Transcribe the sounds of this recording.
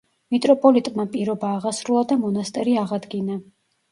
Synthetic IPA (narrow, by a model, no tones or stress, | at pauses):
mit̪ʼɾɔpʼɔlit̪ʼmapʼiɾɔbaːʁasɾulˠad̪amɔnast̪ʼɛɾiaʁad̪ɡina